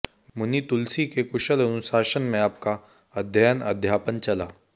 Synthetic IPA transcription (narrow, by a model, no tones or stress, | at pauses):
mʊnit̪ulsikekʊʃəlɐnusaːʃənmẽaːp̚ka | ɐd̪ʱjajənɐ̰d̪ʱjaːpənt͡ʃɐlaː